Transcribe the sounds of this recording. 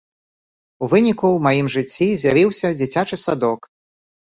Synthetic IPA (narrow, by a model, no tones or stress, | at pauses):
uvɨnʲikuwmajimʐɨt͡sʲːizʲjavʲiwsʲɐd͡zʲit͡sʲat͡ʂɨsad̪ɔk